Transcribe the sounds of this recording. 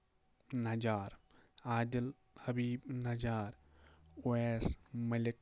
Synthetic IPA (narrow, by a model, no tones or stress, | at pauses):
nɐd͡ʒaːɾaːd̪il | hɐbiːbnɐd͡ʒaːɾoeːsmɐlik̚